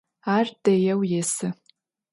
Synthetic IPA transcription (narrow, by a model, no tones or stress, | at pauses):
aːrd̥ɐjɛwjɛsɨ